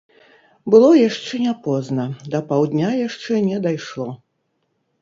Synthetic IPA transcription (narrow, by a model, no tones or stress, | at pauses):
bɨlˠɔjaʂt͡ʂɛnʲapɔznɐd̪ɐpawd̪nʲajaʂt͡ʂɛnʲɛd̪ajʂlˠɔ